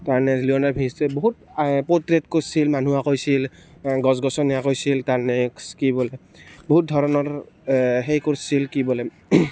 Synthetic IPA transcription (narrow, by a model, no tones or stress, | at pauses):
taɹnɛliɔnaɹbʱistɛboɦutpotɹetkosilmanuakojsilɡɔsɡɔsɔnijakojsiltaɹnɛskibɔlɛ | boɦut̚dʱɔɹɔnɔɹ | ɦejkoɹsilkibɔlɛ